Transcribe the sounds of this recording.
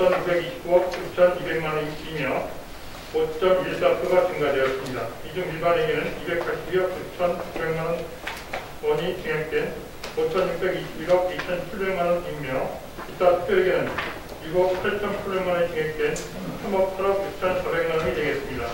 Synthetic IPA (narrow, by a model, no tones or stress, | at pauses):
ʌnukbe̞ɡiɕʰi̥p͈̚uwʌk̚k͈ut͡ɕʰʌnibe̞ŋmaniimjʌ | ot͡ɕ͈ʌmiɭt͈apʰjoɡat͡ɕɯŋɡadwe̞jʌs͈ɯmɲidaid͡ʑumiɭbaneɡinɯnibe̞k̚pʰaɭɕ͈ʰibjʌk̚k͈ut͡ɕʰʌnt͡ɕuk̚be̞ŋman | wʌɲit͡ɕiŋek̚t͈we̞n | ot͡ɕʰʌnjuk̚pe̞ɡiɕʰibiɾʌk̚it͡ɕʰʌnt͡ɕʰiɭbe̞ŋmanʌnd͡ʑimjʌ | it͈apʰu̥pʰojeɡinɯn | juɡʌk̚pʰaɭt͡ɕʰʌnpʰuɭbemʌnet͡ɕiŋek̚t͈we̞n | sʰʌmʌk̚pʰaɾʌɡ̚juk̚t͡ɕʰʌnsʰʌbe̞ŋmanʌɲine̞ɡe̞s͈ɯmɲida